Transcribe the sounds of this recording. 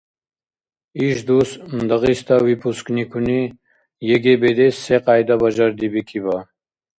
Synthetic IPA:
iʃd̪usnd̪ɐʁist̪awipʰusknikʰuni | jeɡebed̪eseqaːjd̪abɐʒaɾd̪ibikʰiba

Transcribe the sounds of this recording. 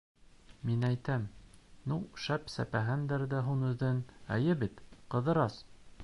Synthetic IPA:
minæjt̪æmnuʃæpsæ̰pæɦɘnd̪æɾðæɦunɵ̆ðɘnæjɘbit̪qɤ̆ðɤ̆ɾɑs

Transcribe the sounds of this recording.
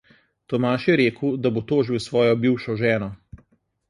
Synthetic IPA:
t̪ɔmaːʃjɛɾeːkwd̪abot̪oːʒiwsʋɔːjɔbiːwʃɔʒɛːnɔ

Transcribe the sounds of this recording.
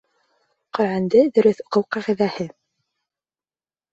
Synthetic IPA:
qɵ̆ɾʕænd̪ɘðɵ̆ɾɵθŏqɤwqæʁɘ̆ðæhɘ

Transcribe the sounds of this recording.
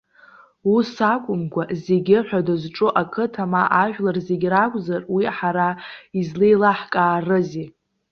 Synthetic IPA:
usakʷʼʊmɡʷazeɡʲɪħʷᶣadazʈ͡ʂʼʊʔakʰɨtʰamaʔaʒᶣlarzeɡʲrakʷʼzarwiħaɾaizlejlaħkʼaːrɨzi

